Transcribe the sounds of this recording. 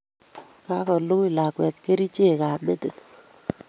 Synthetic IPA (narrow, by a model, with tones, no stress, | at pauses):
ka˦kɔ˨lu˦i˦la˨kwɛ˨t̪̚ke˦ɾi˦t͡ʃe˦˨ka˨me˦te˨t